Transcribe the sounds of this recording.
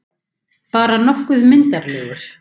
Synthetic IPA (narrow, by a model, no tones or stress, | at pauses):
paːɾanɔhkʏðmɪnt̪aɾlɛːɣʏɾ̥